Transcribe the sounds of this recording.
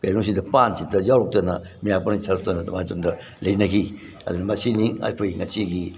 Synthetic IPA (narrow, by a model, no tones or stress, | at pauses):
kajnos̬idɐpansitɐzawɾok̚tɐnɐ̰ | mijapanisʰɐɾk̚tonɐtɐmajtondɐ | lɐjnɐɡi | ɐ̰dunɐmɐsinia̰jpojiŋɐsiɡi